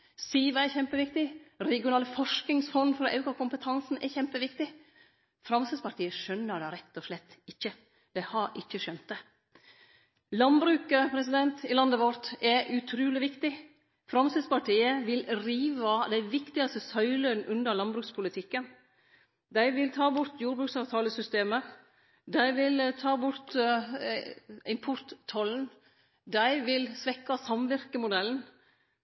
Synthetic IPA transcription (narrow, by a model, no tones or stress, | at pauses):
siːʋəɛçɛmpəʋɪkt̪ɪɾɛɡɪʊnɑːləfɔʂknɪŋsfɔnd̪fɔɾɔʔɑʉkɑkʊmpət̪ʰɑnsn̩ɛçɛmpəʋɪkt̪ɪ | fɾɑmsəd̪spɑʈʰiːəʂœnːəɖ̪ɛɾɛt̪ːɔʂlɛt̪ːɪçːə | d̪̥æɪhɑɾʔɪçːəʃœnt̪̚d̪ɛ | lɑnbɾʉːkəpʰɾɛs̬ɪd̪ɛnt̪ɪlɑnd̪əʋɔɾt̪ɛʔʉt̪ʰɾʉːlɪʋɪkt̪ɪ | fɾɑmsəd̪spɑʈiːəʋɪlɾiːʋɑd̪æɪʋɪkt̪ɪɑst̪əsœʏlœnʔʉnd̪əɾɭɑnbɾʉːkspʰʊlɪt̪ʰɪkːən | d̪æɪʋɪlt̪ʰɑːbʊɾt̪juːɾbɾʉksɑːʋt̪ʰɑːləsʏst̪eːmə | d̪æɪʋɪlt̪ʰɑːbʊɾt̪ | ɪmpʰʊɾt̪ʰːɑln̩ | d̪æɪʋɪlsʋɛkːɑsɑmʋɪɾkəmʊd̪ɛln̩